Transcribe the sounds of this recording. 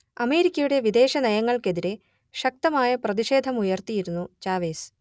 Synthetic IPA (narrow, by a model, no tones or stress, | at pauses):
ɐme̞ːɾikʲːɐjuɽe̞ʋid̪e̞ːɕɐnɐjɐŋːɐɭke̞ðiɾe | ɕɐk̚t̪ɐmaːjɐprɐðiʂe̞ːd̪ʱɐmujɐrt̪ijiɾunːut͡ɕaːʋe̞ːs